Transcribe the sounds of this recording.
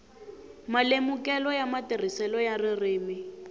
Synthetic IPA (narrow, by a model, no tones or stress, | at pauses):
malemukɛlɔjamatir̤isɛlɔjarɪrɪːmɪ